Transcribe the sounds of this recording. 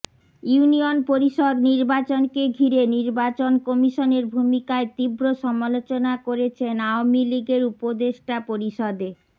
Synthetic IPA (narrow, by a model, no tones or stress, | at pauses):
juunionpoɾiʃɔd̪niɾbat͡ɕonkeɡʱiɾeniɾbat͡ɕonkɔmiʃoneɾbʱumikaet̪ibɾoʃɔmalot͡ɕonakoɾet͡ɕʰenaomiliɡeɾupod̪eʃʈapoɾiʃɔd̪e